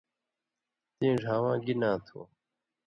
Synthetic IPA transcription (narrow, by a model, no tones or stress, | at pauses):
t̪ĩːʐaːwãːɡinãːt̪ʰo̰ː